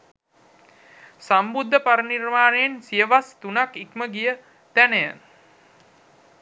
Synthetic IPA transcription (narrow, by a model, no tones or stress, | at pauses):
sambud̪ʱːəpaɾənirmaːnejensijəʋast̪unakikməɡijə | t̪ænəjə